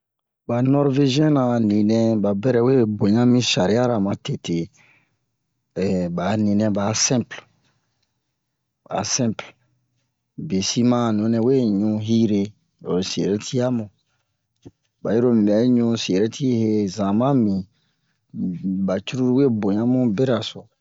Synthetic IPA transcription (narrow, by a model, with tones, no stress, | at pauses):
ba˨nɔ˦ɾve˦ʒi˦ɛ̃˦nã˨nĩ˨nɛ̃˧ba˨bɛ˦ɾɛ˨we˦bo˨ɲã˦mĩ˦sa˨ɾi˨˦a˦ɾa˨mã˨te˨te˨ | ɛ˨ba˨˦nĩ˨nɛ̃˧ba˨˦sɛ̃˦mpl | ba̰˨˦sɛ̃˦mpl | be˨si˦mã˦˨nũ˨˦nɛ̃˧we˦ɲũ˧ɦi˦ɾe˦ | o˨se˨ɾe˦tʰi˦a˦mũ˨ | ba˨ji˦ɾo˦mĩ˨bɛ˨˦ɲũ˧se˨ɾe˦tʰi˦he˦zã˨mã˦mĩ˨ | ba˨t͡ʃu˦ɾu˦ɾi˦we˦bo˨ɲã˦mũ˦be˦ɾa˨sɔ˨